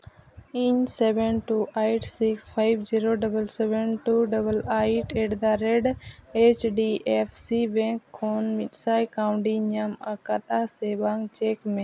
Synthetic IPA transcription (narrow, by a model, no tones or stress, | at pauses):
iɲsebenʈuʔajʈsikspʰaɪbd͡ʒiɾoɖɐbəlsebenʈuːɖɐbəlaːiʈeːʈd̪aɾeɖet͡ʃɖiʔefsibẽŋkʰːoːnmit̪saːjkaʊ̃ɳɖiɲɐmɐkat̪asebaŋɡt͡ʃeːkmẽ